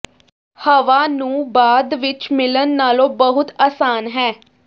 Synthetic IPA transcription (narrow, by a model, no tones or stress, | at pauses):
həʋaːnũːbaːd̪ʋɪt͡ʃmɪlənːaːlõːbəɦʊt̪aːsaːnɦɛː